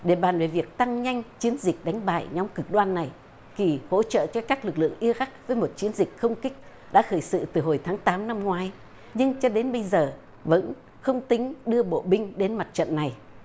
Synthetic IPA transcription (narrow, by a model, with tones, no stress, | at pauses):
ɗe˧˩ɓaː˨˧˩nve˨˩vi˨˩ək̚t̪a˧ŋɲa˧jŋ̟t͡ɕi˨˦ənzi˨˩k̟̚ɗa˨˦jŋ̟ɓa̰ː˧˨jɲɔ˨˦wŋ͡mkɨ˨˩k̚ɗwaː˧nːa˨˩j | ki˨˩ho̰˧˥t͡ɕə̰ː˧˨t͡ɕɔ˧kaː˦˥k̚lɨ˨˩k̚lɨ̰˧˨əŋʔi˧ɣa˦˥k̚vəː˨˦jmo˨˩t̚t͡ɕi˨˦ənzï˨˩k̟̚xə˧wŋ͡mkï˦˥k̟̚ | ɗa̰ː˧˥xəː˧˩jsɨ̰˧˨t̪ɨ˨˩ɦo˨˩jt̪ʰaː˨˦ŋt̪aː˨˦mna˧mŋwaː˨˦j | ɲɨ˧ŋt͡ɕɔ˧ɗe˨˦nɓə˧jzəː˨˩ | və̰˧˥n | xə˧wŋ͡mt̪ï˨˦ŋ̟ɗɨ˧əɓo̰˧˨ɓï˧ŋ̟ɗe˨˦nma˨˩t̚t͡ɕə̰˧˨nːa˨˩j